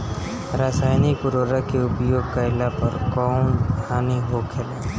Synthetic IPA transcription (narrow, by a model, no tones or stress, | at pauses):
ɾaːsaːjnikʊɾoːɾakeʊpjoːɡ̚kaɪlapəɾkɔːnbaːniɦokʰela